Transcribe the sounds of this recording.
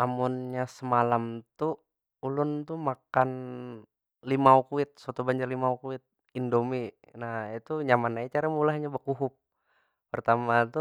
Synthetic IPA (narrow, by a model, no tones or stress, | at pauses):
amunɲasəmalamt̪u | ulʊnt̪umakan | limaukuɪt̪̚sat̪ubaɲd͡ʒarlimaukuɪt̪̚ | indomi | nahit̪uɲamanajat͡ʃaɾamulahɲabəkuɦʊp̚ː | ərt̪amat̪u